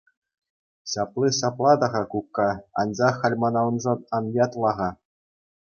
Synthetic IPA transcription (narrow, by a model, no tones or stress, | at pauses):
ɕɑplˠiɕɑplˠɑd̪ɑʁɑkukːɑɑ̰nd͡ʑɑχːɑlʲmɑnɑlˠɤ̆nʐɤ̆t̪ɑnjɑt̪lˠɑʁɑ